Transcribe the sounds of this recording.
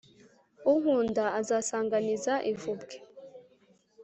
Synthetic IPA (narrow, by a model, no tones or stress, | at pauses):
uɦuːndaːzaːsaːŋɡanizaʔivubɡe